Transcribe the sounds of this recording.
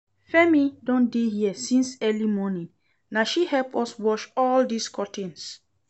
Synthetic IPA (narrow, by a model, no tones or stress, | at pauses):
fɛmidɔ̃ndehiɛsĩnsɛlimɔnĩn | naʃihɛlpɔswɔʃɔldiskʰɔtʰĩns